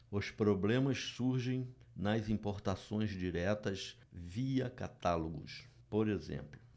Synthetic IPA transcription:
ʊspɾoblẽmɐssuɾʒẽj̃nɐzĩpoɾt̪asõj̃zd͡ʒiɾɛt̪ɐs | viɐka̰t̪aloɡʊ̰s | poɾezḛ̃mplʊ

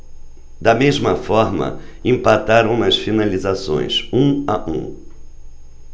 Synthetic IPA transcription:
d̪ɐmezmɐfɔɾmɐ̰ĩmpat̪aɾɐ̃w̃nɐsfinalizasõ̰j̃sũaʔṵ̃

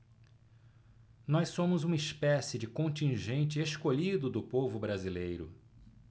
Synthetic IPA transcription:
nɔjssõmʊzũmɐispɛsɪd͡ʒɪkõnt͡ʃĩʒẽnt͡ʃɪeskoʎid̪ʊd̪ʊpovʊbɾazilejɾʊ

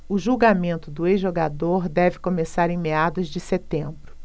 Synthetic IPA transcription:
ʊʒuɡamẽnt̪ʊd̪ʊezʒoɡad̪oɾd̪ɛvɪkõmesaɾẽj̃mead̪ʊzd͡ʒɪset̪ẽmbɾʊ

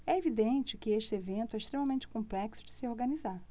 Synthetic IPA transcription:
ɛevid̪ẽnt͡ʃɪkɪeʃt͡ʃɪevẽnt̪ʊɛiʃt̪ɾẽmɐmẽnt͡ʃɪ̥kõplɛksʊ̥d͡ʒɪsɪoɾɡɐnizaɾ

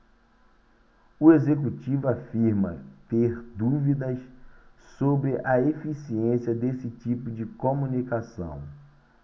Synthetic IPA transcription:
ʊezek̬ut͡ʃivʊafiɾmɐ̰t̪eɾd̪uvid̪ɐssobɾɪʔɐefisiẽsiɐd̪esɪt͡ʃipʊd͡ʒɪkomunikasɐ̰̃w̃

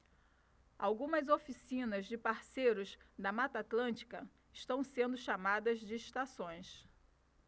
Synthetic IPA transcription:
a̰wɡũmɐzofisĩnɐzd͡ʒɪpaɾsejɾʊzd̪ɐmat̪at̪lɐ̃nt͡ʃi̥kɐ | ɪʃt̪ɐ̃w̃sẽnd̪ʊʃamad̪ɐzd͡ʒɪːʃt̪asõj̃s

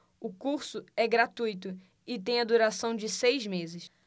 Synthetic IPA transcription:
ʊkuɾsʊɛɡɾat̪ujt̪ʊ | ɪt̪ẽj̃ɐd̪uɾasɐ̃w̃d͡ʒɪsejzmezɪs

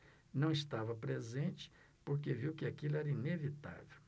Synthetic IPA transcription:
nɐ̃w̃ist̪avɐpɾezẽnt͡ʃɪ̥ | poɾk̬eviwkɪakilʊɛɾɐinevit̪a̰vew

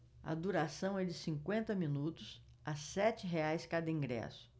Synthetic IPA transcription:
ɐ̰d̪uɾasɐ̃w̃ɛd͡ʒɪsĩkwẽnt̪ɐmĩnut̪ʊs | ɐsɛt͡ʃɪɦeajskad̪ɐĩŋɡɾɛ̰sʊ̥

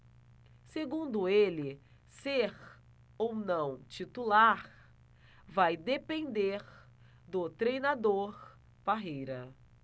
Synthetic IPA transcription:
seɡũnd̪ʊelɪ | seɾ | ownɐ̃w̃t͡ʃit̪ulaɾ | vajd̪epẽnd̪eɾ | d̪ʊt̪ɾejnad̪oɾ | b̥aɦejɾɐ

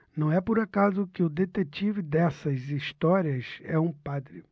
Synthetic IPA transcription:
nnɐ̃w̃ɛpʊɾakazʊkɪʊd̪et̪et͡ʃivɪd̪ɛsɐziʃt̪ɔɾiɐsɛũpad̪ɾɪ

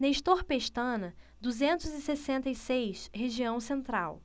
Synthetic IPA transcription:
nejʃt̪oɾpeʃt̪ɐ̃nɐ | d̪uzẽnt̪ʊzɪsesẽnt̪ɐisejʃɦeʒiɐ̃w̃sẽnt̪ɾa̰w

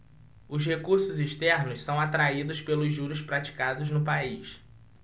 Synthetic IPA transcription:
ʊzhekuɾsʊziʃt̪ɛɾnʊssɐ̃w̃at̪ɾaid̪ʊspelʊzʒːuɾʊspɾat͡ʃi̥kad̪ʊznʊpaiʃ

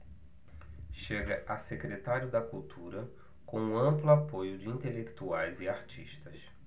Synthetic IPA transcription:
ʃeɡɐʔɐsekɾet̪aɾjʊd̪ɐkuwt̪ʰuɾɐ | kõũɐ̃mplʊapojʊd͡ʒɪĩnt̪elekt̪uajzɪaɾt͡ʃḭʃt̪ɐs

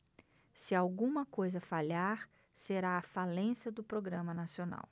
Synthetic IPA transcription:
sɪawɡũmɐkojzɐfaʎaɾ | seɾaːfalẽsjɐd̪ʊpɾoɡɾɐ̃mɐnasiona̰w

